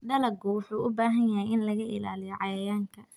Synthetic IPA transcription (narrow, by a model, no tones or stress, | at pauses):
ɖɐlɐɡʊwʊħuːʔʊbaːɦɐnjɐɦɛjʔɪnlɐɣɐʔɪ̰la̰ːlɪjɔʕɑjɐjaːŋkʰɐ